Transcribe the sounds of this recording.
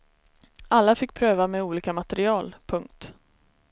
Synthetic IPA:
alːafɪkːpʰɾøːvamɛuːliːkamat̪ɛɾɪɑːlpʰɵŋk̚t̪

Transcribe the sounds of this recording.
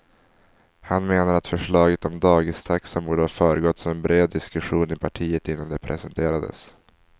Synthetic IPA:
hanmeːnaɾat̪fœʂɭɑːɡət̪ɔmd̪ɑːɡɪst̪ʰaksɔmbuːɖəhafœːɾəɡɔt̪ːsɔmɛnbɾeːd̪ːɪskɵɧuːnɪpʰaʈʰiːət̪ɪnːand̪ɛpʰɾɛsɛnt̪ʰeːɾad̪ə̰s

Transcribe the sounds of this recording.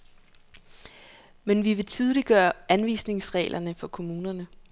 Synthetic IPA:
menʋiʋe̝t͡sʰið̞ˠliɡ̥ɶːɐænʋḭːsne̝ŋsʁɛ̰ːlʔɐnəfɒ̽kʰo̝muːnɐnə

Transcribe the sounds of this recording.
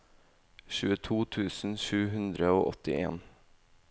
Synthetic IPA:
ʃʉːət̪ʰuːt̪ʰʉːsn̩ʃʉːɦʉnd̪ɾəoːʔɔt̪ɪ̰ḛːn

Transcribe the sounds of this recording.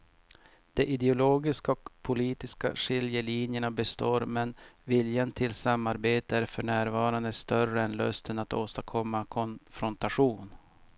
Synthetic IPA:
d̪̥ɛʔɪd̪ɛʊloːɡɪskaɔkpʰʊliːt̪ɪska̰ʂɪljəliːnjəɳabɛst̪oːɾmɛnvɪljant̪ʰɪlsamːaɾbeːt̪əæɾfœɳæːɾvɑːɾand̪əst̪œrəɛnlœ̰st̪ʰənat̪oːst̪akʰɔmːakʰɔnfɾɔnt̪aɧuːn

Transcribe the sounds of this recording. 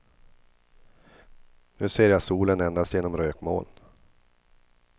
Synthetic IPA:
nʉ̟ːseːɾjasuːlənɛnd̪ast̪jeːnɔmɾøːkmo̰ːln

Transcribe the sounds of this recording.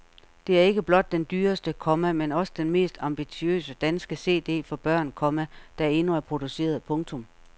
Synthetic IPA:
d̥e̝æɐe̝ɡ̥əb̥lɒ̽d̥̚ːend̥yːɐsd̥əkʰɒ̽mæmenɒ̽sə̥d̥enme̝̰ːsd̥ɑ̈mb̥it͡sʰiø̰ːsəd̥ænsɡ̥əse̝̰ːd̥e̝̰ːfɒ̽b̥ɶɐ̰nkʰɒ̽mæd̥ɑ̈e̝nuæɐpʰʁo̝d̥use̝̰ːɐð̩ˠpʰɔ̽ŋt͡sʰɔ̽m

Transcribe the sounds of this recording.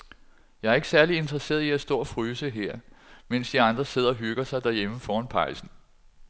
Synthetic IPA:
jɑ̈ɪæɐe̝ɡ̥sæɐlie̝nd̥ʁɐse̝̰ːɐðˠiæsd̥ɔ̰̽ːɒfʁyːsəɦeɐ̰men̰sd̥iɑ̈nd̥ʁɐse̝ð̞̰ˠɐɒ̽ɦyɡ̥ɐsɑ̈ɪd̥æɐjeməfɒːɒnpʰɑ̈ɪsn̩

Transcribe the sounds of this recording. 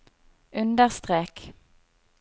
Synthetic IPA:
ʉnd̪əʁst̪ʁeːk

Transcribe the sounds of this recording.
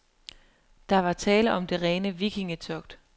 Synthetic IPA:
d̥ɑ̈ʋɑ̈t͡sʰɛːləʔɒ̽md̥e̝ʁɛːnəʋiɡʰiŋət͡sʰɒɡ̥d̥

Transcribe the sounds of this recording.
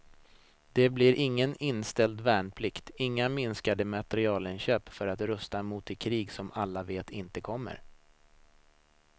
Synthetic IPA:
d̪̥ɛblɪɾʔɪŋːənɪnst̪ɛld̪væːɳpʰlɪkt̪ɪŋːamɪnskad̪əmat̪ɛɾɪɑːlənɕøːpfœɾat̪ɾɵst̪amuːt̪ɪkʰɾiːɡsɔmalːaveːt̪ɪnt̪əkʰɔmːə̰ɾ

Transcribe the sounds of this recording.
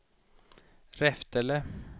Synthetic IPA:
ɾɛft̪ɛlə

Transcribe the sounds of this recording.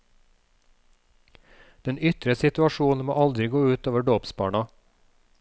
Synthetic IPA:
d̪̥ɛnʏt̪ɾəsɪt̪ʉɑʃuːn̩mo̰ːʔɑld̪ɾɪɡoːʉːt̪oːʋəɖoːpsbɑ̰ːɳɑ

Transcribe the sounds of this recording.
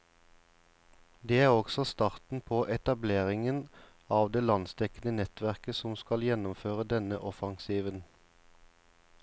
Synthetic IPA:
d̪eːæːʁɔɡ̥sɔst̪ɑːʁt̪n̩pʰoːʔɛt̪ɑbleːʁɪŋən | ɑːʋd̪eːlɑnsd̪ɛkən̩ənɛt̪ʋæʁkəsɔmskɑljɛnʊmføːʁəd̪ɛnəʔɔfɑŋsiːʋən

